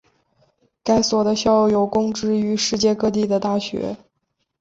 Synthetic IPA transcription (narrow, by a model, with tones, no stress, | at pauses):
ka˥ɪswɔ˨˩d̪ə˦ɕjɑ˥˩ʊjo˨˩ʊkʊ˥ŋʈ͡ʂɻ̩˥˩y˧˥ʂɻ̩˥˧t͡ɕjɛ˥˧kɤ˥˧t̪̬i˥˩d̪ə˩t̪a˥˩ɕɥɛ̰˧˥